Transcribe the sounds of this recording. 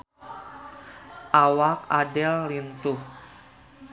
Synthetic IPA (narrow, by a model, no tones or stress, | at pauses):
ʔawakadɛlːint̪uh